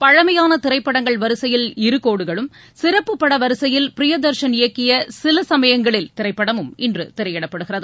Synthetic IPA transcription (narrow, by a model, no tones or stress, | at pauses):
pɐɻɐmɐjaːnɐt̪ɪɾɐɪpːɐɽɐŋɡɐɭʋɐɾɯsɐjɪlɪɾɯkːoːɽɯɣɐɭɯm | sɪɾɐpːɯpːɐɽɐʋɐɾɯsɐjɪlpɪɾɪjɐd̪ɐɾʂɐnɪjɐkːɪjɐsɪlɐsɐmɐjɐŋɡɐɭɪlt̪ɪɾɐɪpːɐɽɐmɯmɪndrɯ̰t̪ɪɾɐjɛɽɐpːɐɽɯɣɪrɐðɯ